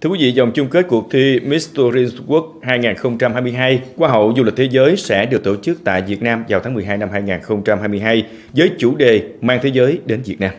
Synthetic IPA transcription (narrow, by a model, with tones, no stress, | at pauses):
t̪ʰɨ˧əkwi˨˦vḭ˧˨za˨˩wŋ͡mt͡ɕʊ˧ŋ͡mke˦˥t̚ku˨˩ək̚t̪ʰi˧mi˦˥st̪o˧zi˧ku˦˥ək̚haː˧jŋaː˨˩nxə˧wŋ͡mt͡ɕa˧mhaː˧jmɨ˧jɦaː˧jkwaː˧ɦə̰˧˨wzu˧li˨˩k̟̚t̪ʰe˨˦zəː˨˦jsɛ̰˧˥ɗɨ˨˩ək̚t̪o̰˧˩t͡ɕɨ˦˥k̚t̪a̰ː˧˨jvi˨˩ət̚naː˧mvaː˨˩wt̪ʰaː˨˦ŋmɨ˨˩əɦaː˧jna˧mhɦaː˧jŋaː˨˩nxə˧wŋ͡mt͡ɕa˧mhaː˧jm˧əjɦaː˧j | zəː˨˦jt͡ɕu˧˩ɗe˨˩maː˧ŋt̪ʰe˨˦zəː˨˦jɗe˨˦nvi˨˩ət̚naː˧m